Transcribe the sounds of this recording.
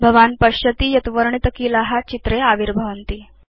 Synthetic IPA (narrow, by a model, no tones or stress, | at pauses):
bʱəʋanpəɕət̪iːjət̪ʋəɾɳit̪əkiːlaɦat͡ɕit̪ɾeaʋiɾbʱəʋənt̪iː